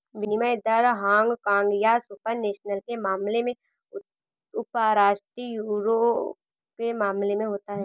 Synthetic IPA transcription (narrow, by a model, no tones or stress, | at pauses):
ʋɪnimajd̪ɐɾɦãːŋɡkãːŋɡjasupəɾneːʃnəlkemaːmlemẽ | ʊpəɾaːʃʈɾijuːɾo | kemaːmlemẽɦoːt̪aɦɛː